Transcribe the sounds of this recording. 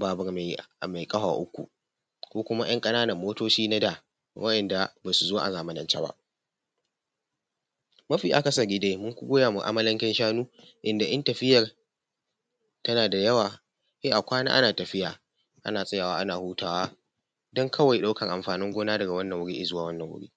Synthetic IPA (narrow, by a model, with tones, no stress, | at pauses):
baː˨bɐ˨rm˨ma˨jkʼɐ˦ha̰ː˨ʔʊ˦kʷːṵ˨ | kʷoː˦kʷʊ˦ma˦j̰ɐ˦ŋkʼɐ˦naː˦nɐ˨mːoː˦toː˦t͡ʃiː˦na˦da˨ | wʔɐ˦ɗɐ˨nda˨baː˨su˨zoː˦ʔa̰˨zaː˨ma˦nɐ˨nt͡ʃa˦ba̰˦ʔ | mɐ˦ɸiː˨ʔa˨kɐ˦sɐ˨ɡʲɪ˦de˦jmʊ˦ŋkʷʊ˦ɡʷoː˦jaː˨mu˨ʔa̰˦mɐ˦lɐ˦ŋkʲɛ˦nʃaː˦nuː˦ | ʔɪ˦nda˨ʔɐ˦ntɐ˨ɸɪ˦jɐ˨r | tɐ˦naː˨da˨jɐ˦waː˨ | ʔeː˦ʔa˨kʷaː˦na̰ː˦ʔa̰˦naː˨tɐ˨ɸɪ˦jaː˨ | ʔa̰˦naː˨sʼɐ˦jaː˨waː˦ʔa˦naː˨huː˦tʰaː˨waː˦ | dɔ˦ŋkʰɐ˦wa˨jɗa˦kɐ˨ŋʔa˨mɸaː˨nɪ˦ŋɡʷoː˦naː˦dɐ˨ɡa˨wɐ˦nːɐ˨ŋwʊ˦ɽi˦ʔɪ˦˨zʊ˦waː˦wɐ˦nːɐ˨ŋwʊ̰˦ɽḭː˦